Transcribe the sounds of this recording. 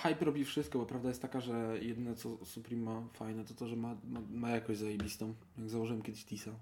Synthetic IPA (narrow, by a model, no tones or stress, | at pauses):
xajpɾɔbʲifʂɘst̪kɔbɔpɾavd̪ajɛst̪t̪akaʐɛjɛd̪ɘnɛt̪sɔsupɾimːafajnɛt̪ɔt̪ɔʐɛmamamajakɔ̃ʑzajebʲist̪ɔ̃w̃ | jaɡzawɔʐɨwɛmkʲjɛd̪ɪɕt̪ʲisa